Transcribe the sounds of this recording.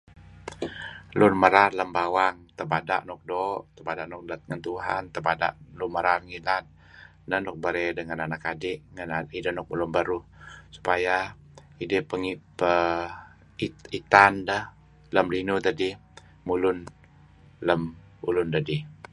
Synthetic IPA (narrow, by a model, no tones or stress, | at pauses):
lʊnməɾarləmbawaŋt̪əbada̰ʔnɔk̚dɔʔt̪əbadaʔnɔk̚dat̪ŋənt̪uɦa̰nt̪əbada̰ʔluməɾarŋilat̪̚ | nəhnɔk̚bəɾɛdəŋananakadɪʔŋənaidəhnɔk̚mulunbəɾusu̥paja | idəpəŋipə | iit̪andəh | ləmlinut̪ədi | mulʊn | ləm | ulʊnd̪adi